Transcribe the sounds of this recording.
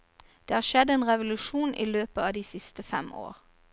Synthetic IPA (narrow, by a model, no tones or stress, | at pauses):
d̪̥eːhɑːʁʃɛd̪eːnʁɛʋʊlʉʃuːnʔḭːløːpəɑːd̪iːsɪst̪əfɛmo̰ːʁ